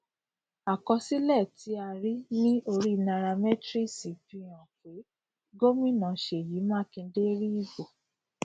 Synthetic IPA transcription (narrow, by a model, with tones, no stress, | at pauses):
a˨kɔ˧si˦lɛ˦˨ti˨˧˦a˧ɾi˦nĩ˦ʔo˧ɾi˦˧nã˧ɾa˧mɛ˦tɾi˦˨si˨˦fi˧˦j̃ã˨ke˨˦ | ɡo˦mĩ˦nã˨˦˨ʃe˨ji˨˦mãː˦kĩ˧˦de˦ɾi˦i˦˨bo˨